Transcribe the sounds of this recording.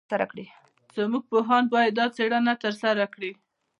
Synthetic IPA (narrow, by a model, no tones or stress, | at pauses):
aɾakɽi | z̥əmuɡ̚poɦɑnbɑjad̪ːɑt͡seɽanat̪əɾsaɾakɽi